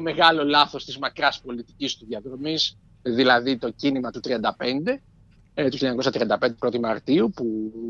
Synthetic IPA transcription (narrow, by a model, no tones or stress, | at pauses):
me̞ɣɐlo̞lɐθo̞st̪izmɐkɾɐspo̞lit̪i̥cist̪uðiɐðɾo̞mis | ðilɐðit̪ocinimɐt̪ut̪ɾiɐnd̪ɐpe̞nd̪e̞ | t̪uçileɲɐko̞sɐt̪ɾiɐnd̪ɐpend̪epɾo̞t̪imɐɾt̪iupu